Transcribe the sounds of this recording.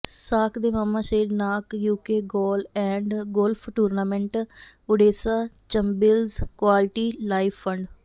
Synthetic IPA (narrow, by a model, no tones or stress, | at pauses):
saːkʰd̪eːmaːmãːʃeːɖnaːkjuːkeːɡoːlɛ̃ːɳɖɡolpʰʈuːɾnaːmɛ̃ɳʈ | oɖeːsaːt͡ʃəmbɪlzkwaːlʈiːlaːipʰːə̃ɳɖ